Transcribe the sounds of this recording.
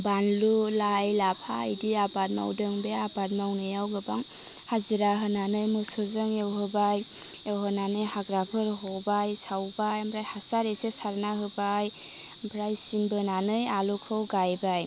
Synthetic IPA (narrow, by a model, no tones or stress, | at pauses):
banlulajlapʰa̰jdiabat̚ma̰wdɯŋbeabat̚mawnɯjawɡɯbaŋ | haziɾaɦɯnanɯjmɯsɔzɯŋewɦɯbaj | ewɦɯnanɯjhaɡɾabʰɯɾɦɔbajsawbajmbɾajhasaɾesesaɾnaɦɯbaj | bɾajsinbɯnanɯjalukʰɯwɡajbaj